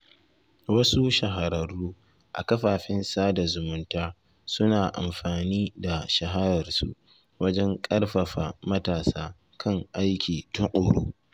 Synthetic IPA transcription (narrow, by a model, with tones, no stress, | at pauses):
wɐ˦su˦ʃɐ˨ɦa˨ɾɐ˨ɽːuː˦ | ʔa̰˨kɐ˦ɸaː˨ɸɪ˦nsaː˦da˨zʊ˨mʊ˦ntaː˦ | sʊ˦naː˨ʔa̰˨mɸaː˨niː˦da˨ʃɐ˨ɦa˦ɾɐ˨rsṵ˦ʔ | wɐ˦d͡ʒɛ˦ŋkʼɐ˦rɸɐ˨ɸaː˨mɐ˦taː˨saː˦ | kʰɐ˦˨ŋʔa˦jkʲiː˨tʊ˦ŋʔʼoː˨ɽuː˦